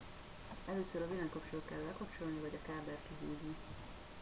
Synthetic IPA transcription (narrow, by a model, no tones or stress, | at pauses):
ɛløːsøɾɒzilɛŋkɒpt͡ʃolːkɛlːɛlkɒpt͡ʃo̞lnivɒɟɒkaːbɛrkiɦuːzni